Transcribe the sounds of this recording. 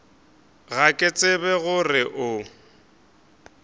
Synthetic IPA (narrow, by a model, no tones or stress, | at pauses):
ɣakʼet͡sʼɪbɛɣʊrɪʔʊ